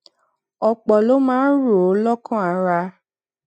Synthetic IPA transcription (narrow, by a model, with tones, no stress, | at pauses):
ɔ˧k͡pɔ˨lo˦mãː˦ɾo˨˦lɔ˦kã˦˨a˧ɾa˧